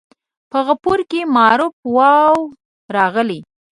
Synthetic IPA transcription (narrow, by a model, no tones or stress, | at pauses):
pəɣapuɾkemɑɾʊp̚wɑw | ɾɑɣəli